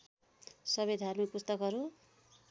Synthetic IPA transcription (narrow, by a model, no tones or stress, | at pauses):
sʌbʌjd̪ʱarmik̚pust̪ʌkɦʌɾu